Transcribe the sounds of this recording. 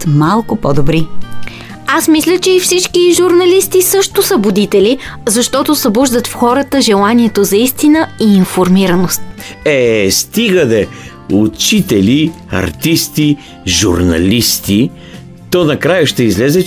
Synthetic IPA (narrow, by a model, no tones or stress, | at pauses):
t̪malˠkʊpɔd̪obɾi | asmislʲət͡ʃɛifsit͡ʃkiʒuɾnɐlist̪isɤʃt̪ʊsəbʊd̪it̪ɛlizɐʃt̪ɔt̪osɐbɔʒd̪ət̪fxɔɾət̪əʒɛlˠaniɛt̪ozɐist̪inəiːnfoɾmiɾɐnost̪̚ɛst̪iɡəd̪ɛ | ʊt͡ʃit̪ɛli | ɐ̰ɾt̪ist̪i | ʒṵɾnɐ̰list̪i | t̪ɔnɐkɾajəʃt̪ɛizlɛzɛ